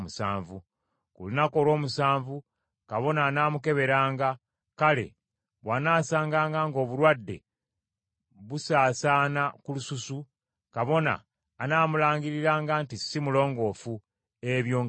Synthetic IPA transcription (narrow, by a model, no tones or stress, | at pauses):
musa̰ːɱvu | kṵlunako̞lo̞ːmusaːɱvu | kaβo̞naːnaːmuke̞βe̞ɾaːŋɡa | kale̞̰ | βwanaːsaːŋɡaːŋɡaŋɡo̞ːβuɾwadːe̞̰ | βusaːsaːnakulususu | kaβo̞na̰ː | naːmulaːŋɡiɾiɾaːŋɡantisimulo̞ːŋɡo̞ːfu | eβjo̞ːŋ